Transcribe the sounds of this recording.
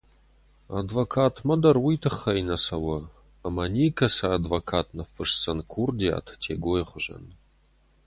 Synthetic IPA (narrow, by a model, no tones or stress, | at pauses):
a̰dvokʰaːtʰmɐdɐrwijtʰɨχːɐinɐsɐwɐː | mɐniːkʰɐsɐːdvokʰaːtʰnɐfɨʂt͡sɐnkʰurdija̰ːtʰtʰeːɡʷojχʷʊʒɐ̰n